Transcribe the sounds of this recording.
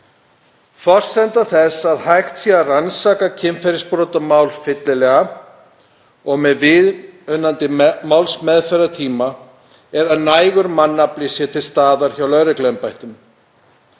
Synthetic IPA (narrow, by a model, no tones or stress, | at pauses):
fɔr̥sɛnt̪aθɛsaðhajxt̪siaransaːkacʰɪmfɛɾɪspɾɔːt̪amaːwlfɪt̪lɪlɛːɣa | ɔɣmɛðvɪðʏnːant̪ɪmawlsmɛðfɛɾat̪ʰiːma | ɛɾaðnajɣʏɾmanːaplɪsjɛt̪ʰɪlst̪aːðaɾ̥çawlœɥɾɪklɛmpajht̪ʏm